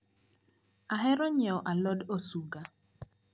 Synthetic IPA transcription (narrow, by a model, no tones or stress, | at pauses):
aɦɛɾɔɲɛɔʔalɔdosuɡa